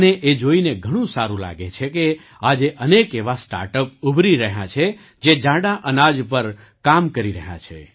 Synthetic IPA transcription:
neʔed͡ʒoineɡʱəɽ̃ũsaɾũla̰ɡet͡ʃʰeke | ad͡ʒeʔənekeʋasʈa̰ɾʈəp̚ubʱɾiɾəɦjã̰t͡ʃʰe | d͡ʒed͡ʒãɽaʔənad͡ʒpəɾ | kamkəɾiɾəɦjã̰t͡ʃʰḛ

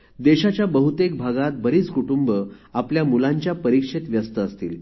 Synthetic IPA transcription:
d̪eɕat͡ɕjabəɦut̪ek̚bʱaɡat̪̚bəɾiːt͡skuʈumbəapljamulãɲt͡ɕjapəɾikʂet̪ʋjəst̪əːst̪ḭːl

